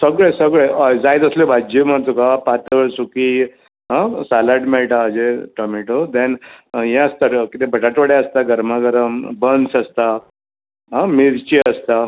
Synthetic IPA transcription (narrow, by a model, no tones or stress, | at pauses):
səɡɭesəɡɭeʔəd͡zajt̪əslebʱad͡ʑiməɾt̪okapat̪əʋəɭsuki | ɦãsalaɖmɛɭʈaəd͡ʑeʈɔmiʈod̪ɛ̃njɛ̃əst̪akit̪ebʱəʈaʈʋəɽeəst̪aɡəɾmaɡəɾəmbənsəst̪a | ɦãmiɾt͡ɕiəst̪a